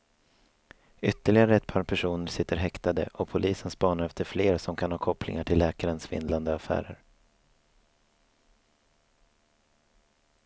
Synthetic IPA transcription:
ʏt̪ːəɭɪɡaɾəɛt̪̚pʰɑːɾpʰæʂuːnəɾsɪt̪ːəɾɦɛkt̪ad̪ə̰ʔɔpʰʊlʔiːsənspɑːnaɾɛft̪əɾfleːɾasɔmkʰanhɑːkʰɔplɪ̰ŋaʈʰɪlːɛːkaɾənsvɪ̰nd̪land̪əafæ̰ːɾə̰ɾ

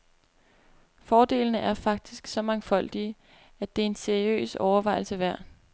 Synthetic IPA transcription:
fɒːd̥e̝̰ːlnəʔæɐfɑ̈ɡ̥̚d̥isɡ̥sɒ̽mɑ̈ŋfɒ̽l̰d̥i | æd̥e̝æɐe̝nseɐiø̰ːsɒʊɐʋɑ̈ɪ̰l̩səʋæɐ̰

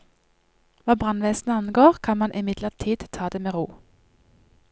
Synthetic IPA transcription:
ʋɑːbʁɑnʋeːsn̩əɑnɡoːʁkʰɑnmɑnʔɪmɪd̪ləʁt̪ʰiːd̪̥t̪ʰɑːd̪eːmeːʁuː

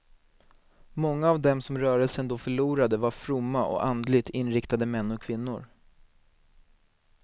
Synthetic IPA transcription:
mɔŋːaːvd̪ɛmsɔmɾœːɾɛlsənd̪ɔfœɭuːɾad̪əvaɾfɾʊmːaʔɔ̰kand̪lɪɡt̪ɪnɾɪkt̪ad̪əmɛnːɔkʰvɪnːʊ̰ɾ

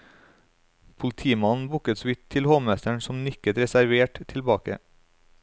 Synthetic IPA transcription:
pʰʊlt̪ʰiːmɑnn̩bʊkət̪sʋɪt̪ʰːɪlhoːmɛst̪əɳsɔmnʏkət̪ɾɛsæɾʋeːʈt̪ʰɪlbɑːkə̰

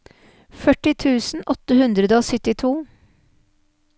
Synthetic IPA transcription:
fœʈɪt̪ʰʉːsn̩ʔɔt̪əhʉnd̪ɾəd̪əoːsʏt̪ɪt̪ʰuː

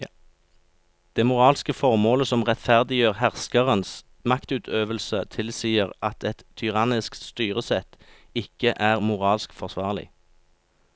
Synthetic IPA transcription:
d̪̥eːmʊʁɑːlskəfɔʁmoːləsɔmʁɛt̪fæʁd̪ɪjøːʁhæʁskəʁəns | mɑkt̪ʉːt̪ʰøːʋəlsət̪ʰɪlsiːəʁɑt̪ʰɛt̪ʰːʏʁɑnɪskt̪st̪yːʁəsɛt̪ | ɪkəʔæːʁmʊʁɑːlskfɔʁsʋɑːʁlɪ̰

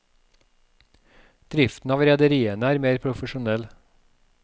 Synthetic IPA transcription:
d̪̥ɾɪft̪n̩ɑːʋɾɛd̪əɾiːənəæːɾmeːɾpʰɾʊfəʃʊnɛl

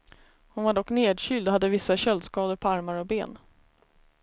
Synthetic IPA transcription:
hʊnvaɖɔkːneːd̪ɕʏːld̪ɔɦad̪ːəvɪsːaɕœld̪skɑːd̪əɾpʰɔaɾmaɾɔbḛːn

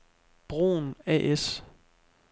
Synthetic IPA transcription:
b̥ʁo̝̰ːnɛ̰ʔes

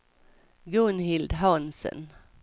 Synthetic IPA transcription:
ɡɵnɦɪld̪ɦansə̰n

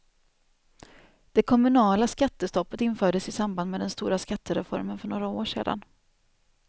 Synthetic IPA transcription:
d̪̥ɛkʰɔmɵnɑːlaskat̪ːəst̪ɔpːət̪ɪnːfœːɖəsɪsamband̪mɛːd̪ɛnst̪uːɾaskat̪ʰːəɾɛfɔ̰ɾmənfœɳoːɾaoːʂḛːd̪a̰n

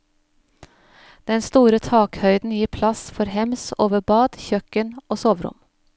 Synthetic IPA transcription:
d̪̥ɛnst̪uːɾət̪ʰɑːkhœʏd̪n̩jiːɾpʰlɑsfɔɾhɛmsoːʋəbɑːd̪̥çœkənoːsoːʋɾʊ̰m

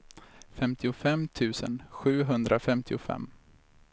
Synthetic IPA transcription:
fɛmt̪ʰɪʊfɛmːt̪ʰʉ̟ːsə̰nɧʉ̟ːɦɵnd̪ɾafɛmt̪ʰɪʊfɛ̰mː

